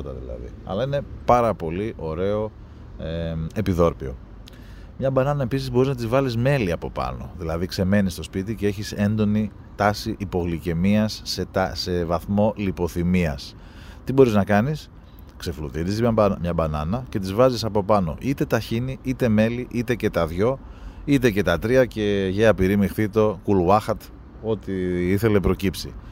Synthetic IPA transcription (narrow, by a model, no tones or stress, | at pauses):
ot̪ɐ̰ðḭlɐ̰ðḭɐ̰lɐine̞pɐɾɐpo̞liʔo̞ɾe̞o̞ | ee̞piðo̞ɾpio̞̰ | mɲɐbɐnɐnɐe̞pisizbo̞ɾiznɐt̪izvɐlizme̞liɐpo̞pɐ̰no̞̰ðilɐðikse̞me̞nist̪o̞spit̪ice̞e̞çise̞nd̪o̞ni | t̪ɐsiʔipo̞ɣlice̞miɐset̪se̞vɐθmo̞lipo̞θimiɐs | t̪ibo̞ɾiznɐkɐnis | kse̞fluðiðizmɲɐmɲɐbɐnɐnɐce̞t̪̬izvɐzisɐpo̞pɐno̞̰ʔit̪e̞t̪ɐçiniit̪e̞me̞liʔit̪e̞ce̞t̪ɐðʝo̞it̪e̞ce̞t̪ɐt̪ɾiɐce̞ʝeɐpiɾimixθit̪o̞kulɐxɐt̪ | o̞t̪iiθe̞le̞pɾo̞cipsḭ